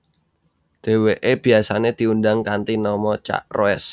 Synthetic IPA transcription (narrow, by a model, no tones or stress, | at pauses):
d̪̥e̤weʔeb̥i̤asaned̪̥iundaŋkant̪inɔmɔt͡ʃa̰ʔroɛs